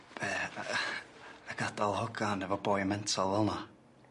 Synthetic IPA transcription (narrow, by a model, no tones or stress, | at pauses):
b̥ɛ | əɡ̥adalˠhɔɡanɛvɔbɔːjmɛntʰalˠvɛlˠna